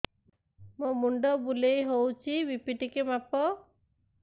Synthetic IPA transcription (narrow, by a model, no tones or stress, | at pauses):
momuɳɖɔbulejɦowt͡ʃʰibipiʈikemapɔ